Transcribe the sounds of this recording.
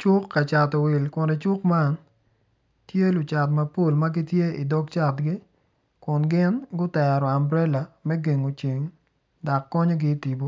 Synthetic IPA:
t͡ʃʊ˦kːa˨t͡ʃa˨tɔ˨wi˨lkʊ˨nɛ˨t͡ʃʊ˦kma˦n | tje˦lʊ˨t͡ʃa˨t̬mɐ˨po˦lma˦ɡɪ˦tje˦i˨dɔ˦ɡ̚t͡ʃa˦˨tɡɪ˦ | kʊ˨nɡɪ˦nɡʊ˦tɛ˨ɾɔ˨a˨mbɾɛ˦la˨mɛ˦ɡe˨ŋo˨t͡ʃi˨ŋ | da˨kːɔ˦ɲo˦ɡɪ˦ti˨bo˦

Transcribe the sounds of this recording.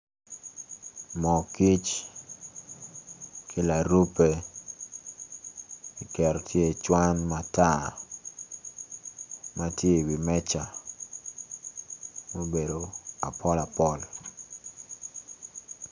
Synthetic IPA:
mɔ˨ki˦t͡ʃ | kʰi˦la˨ɾu˦pe˦ | i˨kɛ˨ɾɔ˨tje˦˨t͡ʃwa˦nmata˦˨ | ma˦tje˦˨wi˨mɛ˦t͡ʃa˨ | mo˦be˨do˨a̰˨pʰɔ˦la˨pɔ˦l

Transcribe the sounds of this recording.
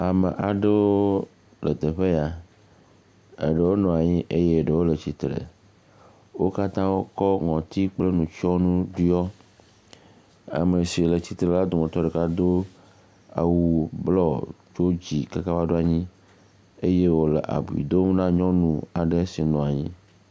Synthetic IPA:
a˨me˨ʔa˨ɖe˦wo˦ | lə˨d̪e˨ɸe˦ja˨ | ḛ˨ɖe˨wo˦nɔ̃˨a˨ɲĩ˦ʔe˦je˦e˨ɖe˨wo˦lə˨t͡ɕi˨t̪ɾḛ˨ | wo˦ka˦t̪ã˦wo˦kɔ˦ŋɔ̃˨t̪i˦k͡ple˦nũ˨t͡ʃɔ˦nũ˦ɖu˦ɔ˦ | a̰˨me˨si˨le˨t͡ɕi˨t̪ɾe˨la˦d̪o˨ŋɔ̃˨t̪ɔ˦ɖe˨ka˦d̪o˦ | a̰˨wu˨blɔ˦d͡ʒo˦d͡ʑi˨ka˦ka˦ba˦ɖo˦a˨ɲĩ˦ | e˦je˦wo˦le˨ʔa̰˨bu˨ḭ˨d̪o˦m˦nã˦ɲɔ̃˦nũ˨a˨ɖe˦si˨nɔ̃˨a˨ɲĩ˦

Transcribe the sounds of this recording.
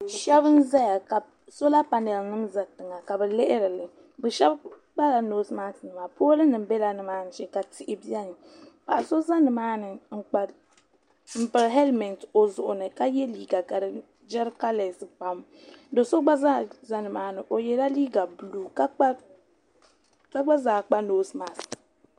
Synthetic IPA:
ʃɛ˦βɨ˦n˦za˦ja˨ka˨ | so˦la˦pa˨nɛ˨lnɨ˦mza˨tɨ˨ŋa˨ka˨bɛ˨lɪ˦ʔɪ˦ɾɨ˨lɨ˨ | bɨ˨ʃɛ˦b | k͡pa˦la˨noː˦sɨ˦maː˦tɨ˨nɨ˨maː˨poː˦lɨ˦nɨ˨m̩˦bɛ˦la˨nɨ˦maː˦n̩˦ʃɛ˦ka˨tɪ˨ʔɪ˨bi˦ɛ˦nɨ˨ | pa˨ʔa˨so˦za˦nɨ˨maː˦nɨ˨ŋ͡m̩˨k͡pa˨l | m̩˨pɨ˨ɾɦɛ˦lmɛ˨nto˨zʊ˨ʔʊ˨nɨ˨ka˦jɛ˦liː˦ɡa˨ka˨ɾ | d͡ʒɛ˦ɾka˦lɛ˨sɨ˨pa˦m | do˨so˦ɡ͡ba˦za˦za˦nɨ˨maː˦nɨ˨ʔo˨jɛ˨la˦liː˦ɡa˨bu˨luː˨ka˦k͡pa˦ | ka˦ɡ͡ba˦zaː˨k͡pa˦noː˦sma˨s

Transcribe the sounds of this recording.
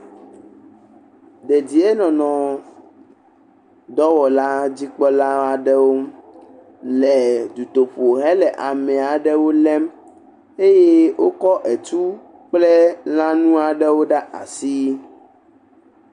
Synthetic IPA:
d̪e˨d͡ʑi˨e˦nɔ̃˨nɔ̃˨ | d̪ɔ˦wɔ˨la˦d͡ʑi˦k͡pɔ˦la˦a˨ɖɛ˦wo˦ | lɛ˨d̪u˨t̪o˨ɸo˨ɦɛ˦lɛ˨ʔa˨mɛ̃˨a˨ɖɛ˦wo˦lɛ˦m | e˦je˦wʔo˦kɔ˦ʔɛ˨t͡ʃu˦ | k͡plɛ˦lã˦nũ˦a˨ɖɛ˦wo˦ɖa˦ʔa̰˨si˦

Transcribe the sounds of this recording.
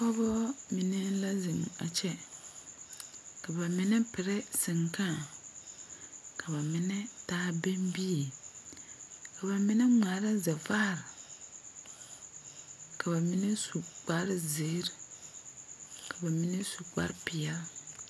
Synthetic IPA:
pɔ˦bɔ˦mi˨nɛ˦la˦zɨ˨m˨a̰˨t͡ʃɛ˦ | ka˨ba˨mɪ˨nɛ˦pɪ˨ɾɛ˦sɪ˨ŋkã˦˨ | ka˨ba˨mɪ˨nɛ˦taː˦be˦mbi˦e˨ | ka˨ba˨mɪ˦nɛ˦ŋ͡ma˨ɾa˦za˨fa˦˨ɾ | ka˨ba˨mɪ˦nɛ˦su˨k͡pa˦ɾɪ˦zɪ˨˦ɾ | kʰa˨ba˨mɪ˦nɛ˦su˨k͡pa̰˦ɾpɪ˨jɛ˨˦l

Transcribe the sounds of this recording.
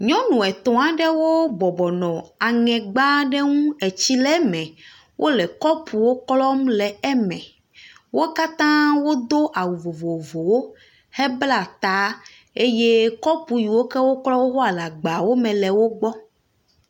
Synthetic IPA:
ɲɔ̃˦nũ˨ɛ˨t̪ɔ̃˨a˨ɖɛ˦wo˦bɔ˨bɔ˨nɔ̃˨a˨ŋɛ̃˨ɡ͡ba˦ɖe˦ŋũ˦e˨t͡ɕi˦lɛ˦mɛ̃˨ | wʔo˦lɛ˨kɔ˦pu˨wo˦klɔ˦mlɛ˨ɛ˦mɛ̃˨ | wo˦ka˦t̪ã˦wo˦d̪o˦ʔa˨wu˨vo˨vo˨vo˨wo˦ | hɛ˦bla˨t̪a˦ | e˦je˦kɔ˦pu˨ji˨wo˦kɛ˦wo˦klɔ˦wo˦ɦɔ˦a˨la˨ɡ͡ba˨wo˦mɛ̃˨lɛ˨wo˦ɡ͡bɔ˦

